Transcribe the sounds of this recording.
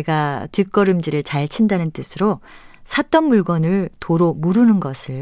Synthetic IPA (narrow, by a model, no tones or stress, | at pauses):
eɡatɥik͈ʌɾɯmd͡ʑiɾɯɭt͡ɕaɭt͡ɕʰindanɯnt͈ɯsʰɯɾosʰat͈ʌnmuɭɡwʌnɯɭtoɾomuɾɯnɯnɡʌsʰɯɭ